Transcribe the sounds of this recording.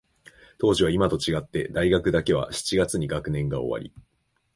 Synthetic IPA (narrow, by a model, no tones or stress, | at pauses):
t̪o̞ːʑiβaimat̪o̞t͡ɕiɡat̪ːe̞̰d̪aiɡakɯ̟d̪ake̞β̞a̰ɕi̥t͡ɕiɡat͡sɨɲ̟iɡakɯ̟nẽ̞ŋɡao̞̰βa̰ɾʲḭ